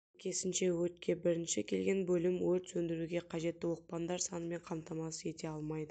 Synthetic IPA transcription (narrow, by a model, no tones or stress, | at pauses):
kʲʰe̞sɪnʃe̞wɵt̪̚kʲʰe̞bɪɾɪnʃɪkʲʰe̞lɡʲe̞nbɵlɪmwɵlt̪sɵnd̪ɪɾuɡʲe̞qʰɑʒe̞t̪ːɪwo̞q̚pɑnd̪ɑɾsɑnəme̞ɴqʰɑmt̪ʰɑmɑsəe̞t̪e̞ɑlˠmɑjd̪ə